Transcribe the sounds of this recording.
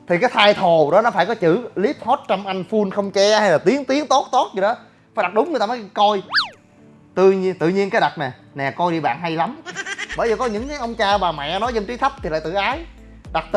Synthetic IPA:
t̪ʰi˨˩kaː˨˦jt̪ʰaː˧jt̪ʰo˨˩ɗɔ˨˦nɔ˨˦faː˧˩jkɔ˨˦t͡ɕɨ̰˧˥li˦˥əp̚ho˦˥t̚t͡ɕa˧wmʔa˧n̟fu˧nxə˧wŋ͡mt͡ɕɛ˧ha˧jlaː˨˩t̪i˨˦əŋt̪i˨˦əŋt̪o˦˥t̚t̪o˦˥t̚zɨ˧˩ɗɔ˨˦ | faː˧˦jɗa˨˩t̚ɗʊ˨˦ŋ͡mɲː˨˧˩jt̪aː˧mɔː˨˦kɔ˧j | t̪ɨ̰˧˨ɲi˧t̪ɨ̰˧˨ɲi˧ənkaː˨˦jɗa˨˩t̚nɛ˨˩ | nɛ˨˩kɔ˧jɗi˧ɓa̰ː˧˨nɦa˧jla˨˦mɓəː˧˩jzəː˨˩kɔ˨˦ɲɨ̰˧˥ŋkaː˨˦jʔə˧wŋ͡mt͡ɕaː˧ɓaː˨˩mɛ̰˧˨nɔ˨˦jzə˧ŋt͡ɕi˨˦t̪ʰə˦˥p̪̚ʰi˨la̰ː˧˨jt̪ɨ̰˧˨˩ʔaː˨˦j | ɗa˨˩t̚t̪

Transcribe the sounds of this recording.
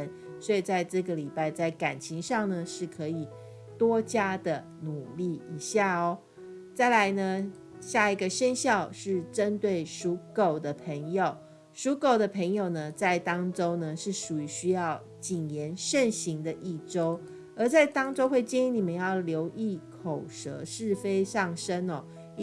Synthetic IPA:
n | swɔ˧˥i˨˩t͡sa˥˧ɪʈ͡ʂɤ˥˩ɡə˩li˨˩pa˥˧ɪt͡sa˥˩ɪka˨˩nt͡ɕʰi˧˥ŋʂɑ˥˩ŋnə˩ʂɻ̩˥˩kʰɤ˧˥i˨˩ | t̪wɔ˥t͡ɕja˥d̪ə˨˩ | nu˨˩li˥˩i˨˩ɕja˥˩ɔ˩˦ | t͡sa˥˩ɪla˧˥ɪnə˧ | ɕja˥˩i˧˥ɡə˧ʂə˥nɕjɑ˥˧ʊʂɻ̩˥˩ʈ͡ʂə˦˥nt̪we˥˩ɪʂu˧˥ko˨˩ʊd̪ə˦pʰə˧˥ŋjo˨˩ʊ | ʂu˧˦˥ko˨˩ʊd̪ə˨pʰə˧˥ŋjo˨˩ʊnə˩t͡sa˥˩ɪt̪ɑ˥ŋʈ͡ʂo˥ʊnə˨ʂɻ̩˥˩ʂu˨˩y˧˥ɕy˥jɑ˥˩ʊ | t͡ɕi˨˩njɛ˨˧˥nʂə˥˩nɕi˧˥ŋd̪ə˧ʔi˥˩ʈ͡ʂo˥ʊ | ə˧˥t͡sa˥˩ɪt̪ɑ˥ŋʈ͡ʂo˥ʊxwe˥˩ɪt͡ɕi˥˧ni˧˥ni˨˩mə˧˦njɑ˥˩ʊljo˧˥ʊʔi˥˩kʰo˨˩ʊʂɤ̰˧˥ʂɻ̩˥˩˨fe˥ɪsɑ˥˩ŋʂə˥nɔ˨

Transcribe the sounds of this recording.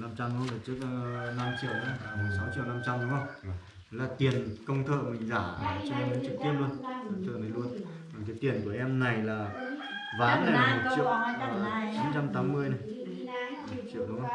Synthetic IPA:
na˧mt͡ɕa˧mɗlaː˨˩t͡ɕə˦˥k̚ːna˧mt͡ɕḭ˧˨əwn˨˦˨sa˨˦wt͡ɕḭ˧˨wna˧mt͡ɕa˧mɗhə˧˩w | ə˨˦laː˨˩t̪i˨˩ənkə˧wŋ͡mt̪ʰə̰ː˧˨mï˨˩ŋ̟zaː˧˩˨t͡ɕwɛ˧mi˨˦ŋt͡ɕɨ˨˩k̚t̪i˦˥əp̚lu˧ənaː˨˩t͡ɕə̰ː˧˨˩na˨˩jlu˧ən | aː˨˩kaː˨˦jt̪i˨˩ənku˧˩əʔɛ˧mna˨˩jlaː˨˩ | vaː˨˦nla˨˩˨mo˨˩t̚t͡ɕḭ˧˨əwəː˨˩˨t͡ɕi˨˦nt͡ɕa˧mt̪aː˨˦mːɨ˧əjnə˨˩j | m̚˨˩t͡ɕḭ˧˨əwɗə˨˦ŋ͡m

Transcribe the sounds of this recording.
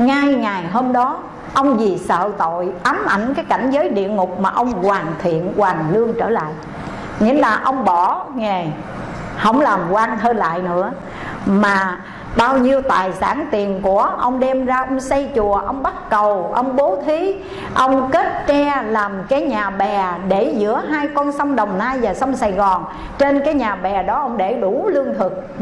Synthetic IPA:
ŋa˧jŋa˨˩jɦəː˧mɗɔ˨˦ | ʔə˧wŋ͡mzi˨˩sə̰ː˧˨t̪o̰˧˨jʔa˨˦mʔa˧˩jŋ̟kaː˨˦jka˧˩jŋ̟zəː˨˦jɗḭ˧˨əŋʊ˨˩k͡p̚maː˨˩ʔə˧wŋ͡mkwaː˨˩ŋt̪ʰḭ˧˨ənkwaː˨˩ŋlɨ˧əŋt͡ɕəː˧˩la̰ː˧˨j | ŋḭ˧˥laː˨˩ʔə˧wŋ͡mɓɔ˧˩ŋe˨˩ | hə̰˧˩wŋ͡mlaː˨˩mkwa˧ŋɦəː˧nla̰ː˧˨jnɨ̰˧˥ə | maː˨˩ | ɓaː˧wɲi˧əwt̪a̰ː˨˩jsa̰ː˧˩nt̪i˨˩ənku˧˩əʔə˧wŋ͡mɗɛ˧mzaː˧ʔə˧wŋ͡msa˧jt͡ɕu˨˩əʔə˧wŋ͡mɓa˦˥t̚kə˨˩wʔə˧wŋ͡mɓo˨˦t̪ʰi˨˦ | ʔə˧wŋ͡mke˦˥t̚t͡ɕɛ˧laː˨˩mkaː˨˦jɲaː˨˩ɓɛ˨˩ɗe˧˩zɨ̰˧˥əɦaː˧jkɔ˧nsa˧wŋ͡mɗə˨˩wŋ͡mnaː˧jvaː˨˩sa˧wŋ͡msaː˨˩jɣɔ˨˩n | t͡ɕe˧nkaː˨˦jɲaː˨˩ɓɛ˨˩ɗɔ˨˦ʔə˧wŋ͡mɗe˧˩ɗu˧˩lɨ˧əŋt̪ʰɨ˨˩k̚

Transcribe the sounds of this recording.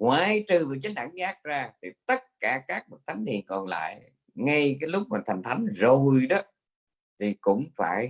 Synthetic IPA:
ŋwaː˧˨jt͡ɕɨ˨˩vəː˨˩t͡ɕə˨˦ŋ̟ɗaː˧˩ŋzaː˦˥k̚zaː˧t̪ʰi˨˩t̪ə˦˥t̚kaː˧˩kaː˦˥k̚m˨˩t̚t̪ʰa˨˦jŋt̪ḭ˧˨ənkɔ˨˩nla̰ː˧˨j | ŋa˧jkaː˨˦jlʊ˦˥k͡p̚maː˨˩t̪ʰa˨˩jŋ̟t̪ʰa˨˦jŋ̟zo˨˩jɗɔ˨˦ | t̪ʰi˨˩kʊ̰˧˥ŋ͡mfaː˧˩j

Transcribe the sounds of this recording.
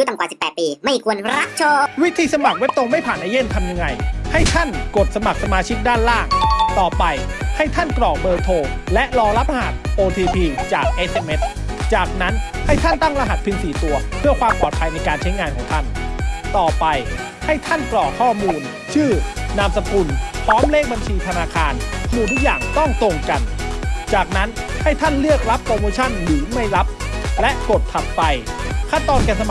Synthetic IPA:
ju˦˥t̪a˨˩ŋkaː˨˩si˨˩pːɛː˨˩t̪̚piː˧ma˥˩kʰu˧ənɾa˦˥k̚t͡ɕʰoː˧wi˦˥t̪ʰiː˧sa˧ma˨˩k̚we˦˥p̚t̪o˧ŋma˥˩jpʰaː˨˩nʔaː˧je˥˩nt̪ʰa˧mja˧ŋːa˧jha˥˩jt̪ʰa˥˩nko˨˩t̪̚sa˧ma˨˩k̚sa˧maː˧t͡ɕʰi˦˥k̚daː˥˩nlaː˥˩ŋt̪ɔː˨˩pa˧j | ha˥˩jt̪ʰa˥˩nklɔː˨˩k̚bɤː˧t̪ʰoː˧lɛ˦˥ʔlɔː˧la˦˥p̚ʔa˧ɦa˨˩t̪̚ʔoː˧t̪ʰiː˧pʰiː˧t͡ɕaː˨˩k̚ʔe˦˥sʔe˧mʔe˦˥t̪̚ | t͡ɕaː˨˩k̚na˦˥nha˥˩jt̪ʰa˥˩nt̪a˥˩ŋla˧ɦa˨˩t̪̚pʰɯ˧nsiː˨˩˦t̪u˧ɐpʰɯ˥˩ɐkʰwaː˧mpɔː˨˩t̪̚pʰa˧jna˧jkaː˧nt͡ɕʰa˦˥jŋaː˧nkʰɔː˩˦ŋt̪ʰa˥˩nt̪ɔː˨˩pa˧j | ha˥˩jt̪ʰa˥˩nklɔː˨˩kʰɔː˥˩muː˧n | t͡ɕʰɯː˥˩na˧msa˧mku˧npʰɾɔː˦˥mleː˦˥˩k̚ba˧nt͡ɕʰiː˧t̪ʰa˧naː˧kʰaː˧nʰnuː˨˩t̪ʰu˦˥k̚jaː˨˩ŋt̪ɔ˥˩ŋt̪oː˧ŋka˧nt͡ɕaː˨˩k̚na˦˥nha˥˩jt̪ʰa˥˩nlɯ˥˩ək̚ɾa˦˥p̚kɔː˧moː˧t͡ɕʰa˥˩nlɯː˩˦ma˥˩jɾa˦˥p̚lɛ˦˥ʔko˨˩t̪ʰːa˨˩p̪̚fa˧jkʰaː˥˩t̪ɔː˧nkɛː˧nsa˧m

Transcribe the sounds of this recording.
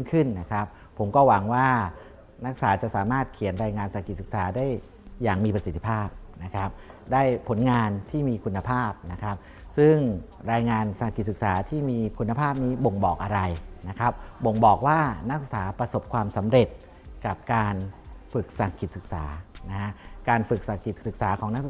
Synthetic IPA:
ŋkʰɯ˥˩nna˦˥kʰɾa˦˥p̚ʰːo˩˦mkɔː˥˩wa˩˦ŋwaː˥˩ | na˦˥k̚saː˩˦t͡ɕa˨˩ʔsaː˩˦maː˥˩t̪̚kʰi˨˩˦ənɾaː˧jŋaː˧nsa˨˩kːi˨˩sɯ˨˩k̚saː˩˦daː˥˩jː | aː˨˩ŋmiː˧pɾa˧si˨˩t̪ʰːi˥pʰaː˥˩p̚na˦˥kʰɾa˦˥p̚daː˥˩jpʰo˩˦nŋaː˧nt̪ʰiː˥˩miː˧kʰu˧nːa˧pʰaː˥˩p̚na˦˥kʰa˦˥p̚ | sɯ˥˩ŋ | ɾaː˧jŋaː˧nsa˨˩ki˨˩t̪̚sɯ˨˩k̚saː˩˦t̪ʰiː˥˩miː˧kʰu˧nːa˧pʰaː˥˩p̚niː˦˥bo˨˩ŋbɔː˨˩k̚ʔa˧ɾa˧jna˦˥kʰɾa˦˥p̚bo˨˩ŋbɔː˨˩k̚waː˥˩na˦˥ksɯ˨˩k̚saː˩˦pɾa˧so˨˩p̚kʰwaː˧msa˩˦mɾe˨˩t̪̚ | ka˨˩p̚kaː˧nfɯ˨˩k̚sa˨˩kʰːi˨˩t̪̚sɯ˨˩k̚saː˩˦na˦˥kʰa˦˥ʔkaː˧nfɯ˨˩k̚sa˨˩kːi˨˩sɯ˨˩k̚saː˩˦kʰɔː˩˦ŋna˦˥k̚s

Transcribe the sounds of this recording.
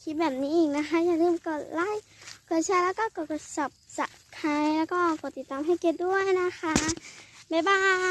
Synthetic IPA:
kʰi˦˧t̪̚bɛː˨˩p̚niː˧˥ʔiː˧˨˩k̚na˧xʰa˧˦˥jaː˧˩ŋlɯː˧˩˨mkɔː˧˩laː˧˥˩j | kʰɯ˧˩˨t͡ɕʰa˧˩˨jlɛː˧˥˩kaː˧˩kɔː˧˩kɔː˧˩sa˧˩p̚sa˧˩ʔ | kʰa˧˦jlɛː˧˥wkɔː˧˩kɔː˧˩t̪i˨˩t̪ːaː˨mɦa˧˩˨jke˧˩t̪̚du˥˩əjna˧˥xʰa˧˦˥baː˧˩baː˧˩

